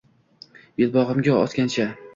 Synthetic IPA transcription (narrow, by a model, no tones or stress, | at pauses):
jɪlˠbɒʁɨmɡʲaɒ̰t̪kʲant͡ʃʰa